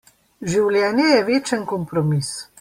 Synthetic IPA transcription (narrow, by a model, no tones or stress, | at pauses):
ʒiwljɛːnjɛjɛʋeːt͡ʃənkɔmpɾɔmis